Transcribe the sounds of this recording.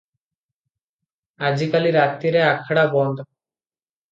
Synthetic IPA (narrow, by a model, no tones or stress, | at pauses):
ad͡ʑikaliɾat̪ːiɾeakʰaɽabɔnd̪o